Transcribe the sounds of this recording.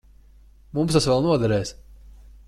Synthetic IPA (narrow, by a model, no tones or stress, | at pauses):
mumst̪asvɛlˠnuɔd̪ɛɾɛːs